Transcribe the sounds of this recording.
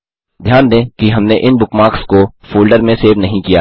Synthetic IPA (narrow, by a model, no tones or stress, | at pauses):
d̪ʱjaːnd̪ẽːkiɦɐmneʔɪnbʊkmaːkskofuːlɖəɾmẽseːʋnɐɦĩkijaː